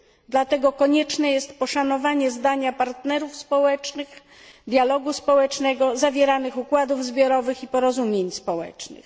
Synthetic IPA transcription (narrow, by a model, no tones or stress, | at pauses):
d̪lat̪ɛɡɔkɔɲɛt͡ʂnɛjɛst̪pɔʂanɔvaɲɛzd̪aɲapaɾt̪nɛɾufspɔwɛt͡ʂnɘx | d̪jalɔɡuspɔwɛt͡ʂnɛɡɔzavʲjɛɾanɘxukwad̪uvzbʲjɔɾɔvɘxipɔɾɔzumʲjeɲspɔwɛ̰t͡ʂnɘ̰x